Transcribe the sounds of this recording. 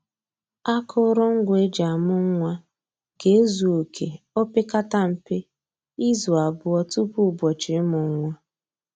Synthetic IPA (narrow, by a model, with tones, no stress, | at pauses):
a˦kʊ˦ɾʊ˦ŋ̩˦ɡʷʊ˨e˦d͡ʒa˨mʊ˦ŋ˦ŋʷa˦ | ɡ̥e˦e˦zu˨o˨kʰe˨ | ɔ˦pɪ˦ka˦ta˦m̩˨pe˦ | i˦zu˨a˨bʊ˨ɔ˦tu˦pu˦˨bɔ˨t͡ʃɪ˨˦mʊ˨˦ŋʷa˦